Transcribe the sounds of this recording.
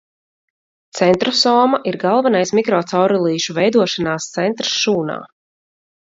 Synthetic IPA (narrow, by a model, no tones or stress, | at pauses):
t̪sɛnt̪ɾɔsɔːmaʔiɾɡalˠvanajsmikɾɔːt̪sawɾɔlˠiːʃuvɛjd̪uɔʃanaːst̪sɛnt̪ɾsʃuːna̰ː